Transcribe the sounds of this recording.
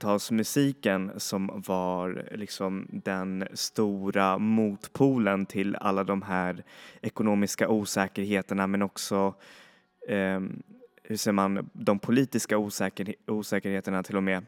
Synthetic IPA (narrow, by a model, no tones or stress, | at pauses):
t̪ʰɑːlsmɵsiːkənsɔmvaɾlɪksɔmd̪ɛnst̪uːɾamuːt̪pʰuːlənt̪ʰɪla̰lːad̪ɔmɦæːɾɛkʊnoːmɪskaʔuːsɛːkəɾɦeːt̪əɳamɛnɔksɔ | hɵʂɛjəmand̪ɔmpʰʊliːt̪ɪskauːuːsɛːkəɾheːt̪əɳat̪ʰɪlːɔmeː